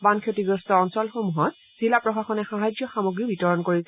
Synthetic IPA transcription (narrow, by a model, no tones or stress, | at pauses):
bankʰjotiɡɹɔstɔːnsɔlxomuɦɔt̚ | z̥ilapɹɔxaxɔnɛxaɦajzjɔxamoɡɹibitɔɹɔnkoɹisɛ